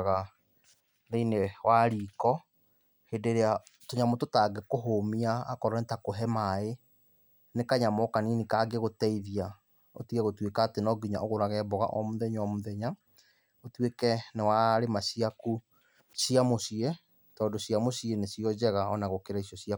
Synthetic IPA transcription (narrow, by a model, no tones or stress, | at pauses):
ɣa | ɾeinewaɾiːkɔ | hedeɾeatoɲamototaɡekoɦomiaːkɔɾɔnetakoɦɛmae | nekaɲamɔkaninikaɡeɣotɛiðia | o̰tiɣɛɣotwekaːtenɔɡiɲa̰ʔoɣoɾaɣɛbɔɣa̰ʔɔmoðɛɲɔmoðɛɲa | otwekɛnewaɾemasiaku | sijamosie | tɔːndosjamosienesiɔd͡ʑɛɣaɔnaɣokeɾaisjɔsia